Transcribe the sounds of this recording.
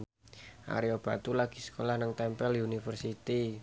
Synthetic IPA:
ʔa̰ɾiob̥a̤t̪ulaɡ̥isə̥kolahnəŋt̪ɛmpɛliunifərsit̪i

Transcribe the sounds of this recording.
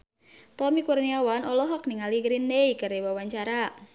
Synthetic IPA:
t̪ɔmikurniawanɔlɔɦɔk̚niŋaliɡɾinːejkərewawaɲt͡ʃaɾa

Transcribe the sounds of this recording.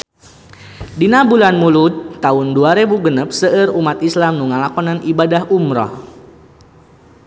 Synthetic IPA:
dinabulanmulut̪ːaʊnduaɾebuɡənəp̚səʔərumat̪islamnuŋalakɔnanʔibadaɦumɾɔ̰h

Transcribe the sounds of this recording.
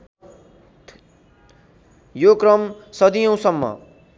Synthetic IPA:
jokrʌmsʌd̪ijʌ̃w̃sʌmːʌ̰

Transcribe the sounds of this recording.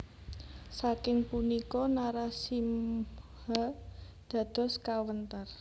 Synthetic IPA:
sakɪŋpunikɔnaɾasim | ha | d̪̥ä̤d̪̥ɔ̤skawənt̪ər

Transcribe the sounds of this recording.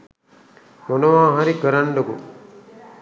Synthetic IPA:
monɐʋaːɦaɾikəɾaɳɖoɡṵ

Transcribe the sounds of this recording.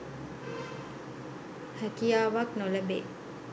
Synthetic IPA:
hækijaːʋaknolɐbḛː

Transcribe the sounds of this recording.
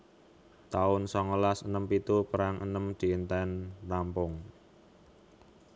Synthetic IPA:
t̪aʊnsɔŋəlasənəmpit̪upəɾaŋʔə̰nəmd̪̥i̤nt̪ɛnrampʊŋ

